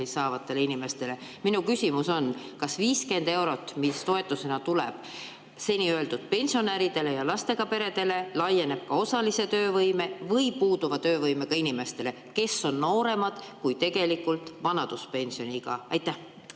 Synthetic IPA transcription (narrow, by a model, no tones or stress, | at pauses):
isɑːvɑt̪ːˑe̞leinime̞st̪e̞le̞minukysʲimuso̞nkɑsviːske̞nd̪e̞wɾo̞t̪ːˑmist̪o̞e̞t̪ːˑuse̞nɑt̪ulɛ̰b̥ | se̞nʲiøe̞ld̪ud̪̥̚pe̞nʲsio̞næɾid̪̥e̞le̞jɑlɑst̪e̞ɡ̥ɑpe̞ɾe̞d̪̥e̞le̞lɑje̞ne̞b̥̚kɑo̞sɑlise̞t̪ø̞ːvɤjme̞vɤjpuːd̪̥uvɑt̪ø̞ːvɤjme̞kɑinime̞st̪e̞le̞ | ke̞sːo̞nːo̞ːɾe̞mɑd̪̥kujt̪e̞ɡe̞likːult̪ˑvɑnɑd̪̥uspe̞nʲsio̞niɡ̥ɑɑjt̪ːˑæh